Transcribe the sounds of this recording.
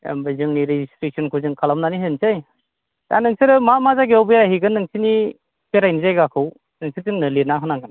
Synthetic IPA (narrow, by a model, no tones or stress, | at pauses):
ḛmbɯzɯŋniɾezistɾik̚sɔnkʰuzɯŋkʰalamnaniɦensɯj | ta̰nːɯŋsɯɾɯmamazaɡeɔwbɯjaɦiɡɯnːɯŋsini | peɾajnizajɡakʰɯw | nɯŋsʰɯɾzɯŋnɯlenaɦɯnaɡɯn